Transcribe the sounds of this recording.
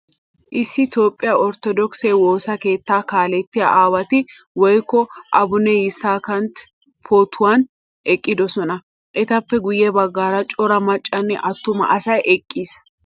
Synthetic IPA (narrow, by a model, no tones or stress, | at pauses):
ʔɪsːɪt̪o̞ːpʼːɪjaːɔɾt̪ɔd̪ɔkseːwo̞ːsɐke̞ːt̪ːaːkaːlɛt̪ːɪja̰ʔaːwɐt̪ɪ | wɔjkːɔʔɐbʊnɛjɪsːaːkɐnt̪ | pʰoːt̪ʰːʊwaːn | ʔɛkʼːɪd̪ɔsɔnɐ | ʔɛt̪ɐpːɛɡʊjɛbɐɡːaːɾɐt͡ʃʼɔɾɐmɐt͡ʃʼːɐnːɛ̰ʔɐt̪ːʊmɐ̰ʔɐsɐjʔɛkʼːiːs